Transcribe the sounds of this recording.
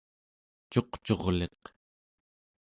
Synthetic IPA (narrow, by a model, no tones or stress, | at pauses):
t͡ʃo̞qt͡ʃo̞ʁle̞q